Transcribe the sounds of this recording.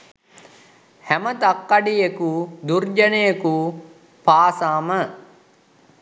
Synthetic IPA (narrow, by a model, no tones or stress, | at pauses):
hæmət̪akːaɖijekud̪urd͡ʒənejəku | paːsaːmə